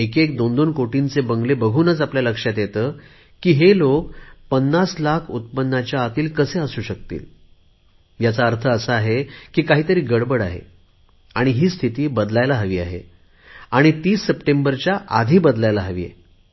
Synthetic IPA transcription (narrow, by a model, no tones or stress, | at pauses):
ekekd̪ond̪onkoʈint͡sebəŋɡlebəɡʱuːnət͡sapljaləkʂjat̪jet̪əː | kiːɦelokpənːaslakʰut̪̚pənːat͡ɕjaːt̪iːlkəseəsuːɕək̚t̪ḭːl | jat͡saəɾt̪ʰəːsəaɦekiːkaɦiːt̪əɾiːɡəɽbəɽaɦḛ | aɽ̃iɦiːst̪ʰit̪iːbəd̪lajlaɦəʋiːa̰ɦḛ | aɽ̃it̪iːsːəpʈembəɾt͡ɕjaʔa̰d̪ʱiːbəd̪lajlaɦəʋḭjḛ